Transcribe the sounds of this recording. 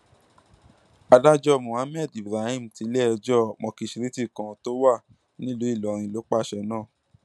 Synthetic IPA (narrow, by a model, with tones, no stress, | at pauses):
a˧da˦d͡ʒɔ˦˨mũ˨ã˨˦mɛ˦˨di˨bɾa˨hĩ˦˨m̩˨ti˧˦lɛ˦ɛ˧d͡ʒɔ˦˨mɔ̃˧ki˧ʃi˧ɾi˦ti˦˨kã˨˧˦to˦wa˦˨ | nĩ˦lo˨˦i˦˨lɔ˨ɾ̃ĩ˧˨lo˨˦k͡pa˦˨ʃɛ˧nãː˦˨